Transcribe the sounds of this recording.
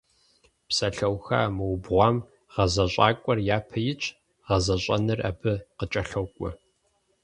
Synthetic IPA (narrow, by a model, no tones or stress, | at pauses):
psɐɬɐwxa̰ːmɨwbʁʷɑːm | ʁ̥ɐzɐɕʼaːkʷʼɔrjaːpʰɐjɪt͡ʃʼ | ʁɐzɐɕʼɐ̰nɨra̰ːbɨqət͡ʃʼɐɬɐwkʷʼʊ